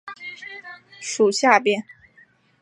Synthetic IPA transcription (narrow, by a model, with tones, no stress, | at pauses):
ʂu˨˩ɕja˥˩pjɛ˥n